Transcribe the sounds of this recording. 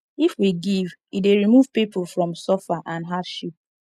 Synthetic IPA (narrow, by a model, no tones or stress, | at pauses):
ifwiɡivideɹimuv̥pipʰufɹɔ̃msɔfaʔãnɦavʃip̚